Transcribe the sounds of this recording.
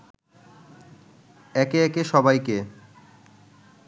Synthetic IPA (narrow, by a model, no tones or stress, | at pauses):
ɛkeɛkeʃɔbajke